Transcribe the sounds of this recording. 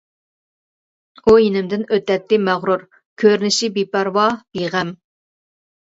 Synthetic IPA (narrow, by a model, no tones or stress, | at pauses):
ujinɪmd̪ɪnøt̪ːɛt̪ːɪmæʁɾuɾ | kʲʰøɾnɪʃibipæɾwɑb̥iʁæm